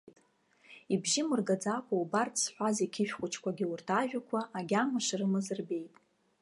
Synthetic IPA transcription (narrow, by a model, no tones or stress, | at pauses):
tʼ | ibʒɪmɨrɡad͡zakʷʰʼaubartʰsħʷazikʲʰɪʃᶣχʷʊt͡ʃʰkʷʰaɡʲiurtʰaʒᶣakʷʰaʔaɡʲamɨʂrɨmɨzɨrbe̞jtʼ